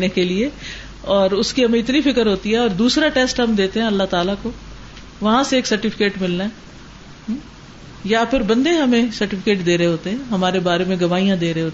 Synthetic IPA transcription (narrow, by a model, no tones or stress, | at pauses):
nekelie | ɔːɾʊskiɦɐmẽɪt̪nifɪkəɾɦoːt̪iɦɛɔːɾd̪uːsɾaʈeːsʈɦɐmd̪eːt̪eɦɛ̃ɐlːaɦt̪aːlako | ʋɐɦãseeːksɐɾʈɪfʰɪ̥keːʈmɪlnaɛ | ɦ | japʰɪɾbɐ̃nd̪eɦɐmẽsɐɾʈɪfʰɪkeːʈd̪eːɾɐɦeɦoːt̪eɦɛ̃ːɦɐmaːɾebaːɾemẽɡɐʋaːijãd̪eːɾɐɦeɦoːt̪ː